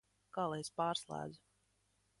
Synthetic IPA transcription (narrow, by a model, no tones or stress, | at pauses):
kaːlˠɛjspaːɾslˠæ̰ːd̪zu